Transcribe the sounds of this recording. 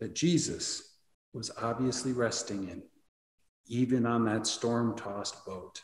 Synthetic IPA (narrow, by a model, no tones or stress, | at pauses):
ðɨt̚d̥ʒ̥izɨs | wʌzɑbviɨsliɹɛstɪ̃ŋɪ̃n | ivɨ̃nə̃nðɨtstɔɹmtʰɔst̚b̥oʊt